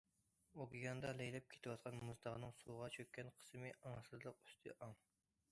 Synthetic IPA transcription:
okʲiɡɑnd̪ɑlɛjlɛp̚kʲʰe̥t̪ʰɨwɑt̪̚qʰɑnmuzd̪ɑʁənɨŋsuʁɑt͡ʃʰøkʲːɛnqʰə̥smɨʔɑŋsɨzlˠəq̚y̥st̪ʰɨ̰ʔɑŋ

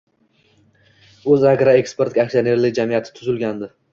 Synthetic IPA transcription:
ɵzaɡɾaekspe̞ɾt̪ʲakʲsijone̞ɾlɪkʲd͡ʒamijat̪ʰɪ̥t̪ʰʊzɪlɡʲand̪ɪ

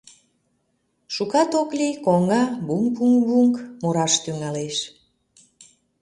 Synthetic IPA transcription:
ʃukɑt̪oklikoŋɑbuŋk̚buŋbuŋkmoɾɑʃt̪yŋɑleʃ

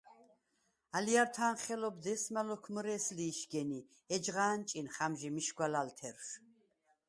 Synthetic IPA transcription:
alijaɾt̪ʰanχɛlɔbd̪ɛsmalɔkʰməɾɛːsliːʃɡɛni | ɛd͡ʒʁaːnt͡ʃʼinχamʒimiʃɡwalalt̪ʰɛɾʃ

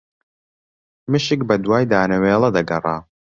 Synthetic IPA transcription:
mɨʃɪkbɐd̪waːjd̪aːnɐweːlˠɐd̪ɐɡɐrˤa̰ː

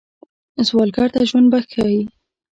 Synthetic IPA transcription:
zwɑlɡɑɾt̪aʒwand̪̚baxkawi

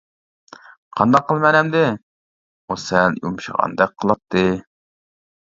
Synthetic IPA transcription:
qʰɑnd̪ɑqʰːəlˠmɛnɛmd̪ɪ | osɛljṵmʃə̰ʁɑ̰nd̪ɛk̚qʰəlˠɑt̪ʰːɨ

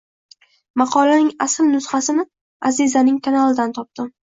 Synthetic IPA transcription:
mɑqʰɒlanɪŋasɪlnʊsχasɪnɪ | azɪzanɪŋkʰanalˠɪd̪ant̪ʰɒp̚t̪ɪm

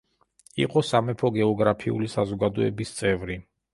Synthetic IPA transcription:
ḭqʼɔsamɛpʰɔɡɛɔɡɾapʰiṵlisazɔɡad̪ɔɛ̰bist̪sʼɛvɾi

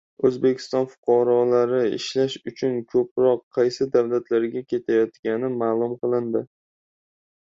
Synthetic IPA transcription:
ɵzbe̞kʲʰɪ̥st̪ɒnfʊ̥qʰɒɾɒlaɾɪɪ̰ʃlaʃʊt͡ʃʰʊnkʰɵpɾɒqʰːɑjsɪd̪avlat̪ʰlaɾɡʲakʲʰe̞t̪ʰajɒt̪kʲanɪmaːlˠʊmqʰɨlˠɪnd̪ɪ

